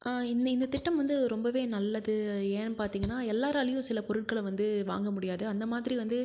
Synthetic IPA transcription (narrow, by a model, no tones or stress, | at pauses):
ʔaɪnɪnd̪ɐt̪ɪʈːɐmʋɐnd̪ɯɾɔmbɐʋeːnɐlːɐðɯeːnpaːɾt̪iːŋɡɐnːaːɛlːaːɾaːlɪjʊ̃sɪlɐpɔɾɯʈ̚kɐɭʋɐnd̪ɯʋa̰ːŋɡɐmʊɽɪjaːðɯɐnd̪ɐmaːðɪɾiʋɐnd̪ɯ